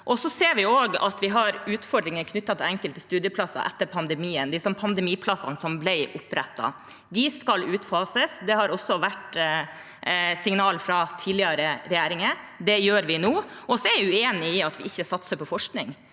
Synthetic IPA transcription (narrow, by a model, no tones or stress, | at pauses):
ʔɔsɔseːɾʋɪoːɡɑ̰t̪ʋɪɦɑɾʉːt̪fɔɖɾɪŋənkʰnʏt̪ːɑt̪ʰɪlɛŋkəlt̪əst̪ʉːd̪jəpʰlɑsːɑ̰ʔɛ̰t̪ːəɾpʰɑnd̪ɛmiːənd̪ɪsɔmpʰɑnd̪ɛmiːpʰlɑsɑ̰nəsɔmblæɪʔʊpɾɛ̰t̪ːɑ̰ | d̪ɪskɑlʉːt̪fɑːsəsd̪ɛhɑɾɔsːɔʋæʈ | sɪŋnɑːlfɾɑt̪ʰiːlɪəɾəɾɛjæːɾɪŋə | d̪ɛjøːɾʋɪnoː | ɔsɔɛɾʋɪʉeːnɪɪɑt̪ʋɪɪçːəsɑt̪səpʰɔfɔʂknɪŋ